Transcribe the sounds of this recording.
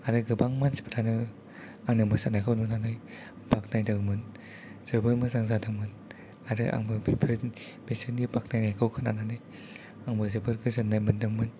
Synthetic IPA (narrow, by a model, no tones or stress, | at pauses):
aɾɯɡɯbaŋmansi̥pʰiɾanɯ | aŋnɯmɯsanakʰawnunanɯj | bak̚najdɯŋmɯn | z̥ɯbɯɾmɯzaŋzadɯŋmɯn | aɾɯʔa̰ŋbɯbepʰɯbesɯnɡibak̚najnajkʰawkʰɯna̰nanɯj | aŋbɯzɯbɯɾɡɯzɯnːajmɯndɯŋmɯn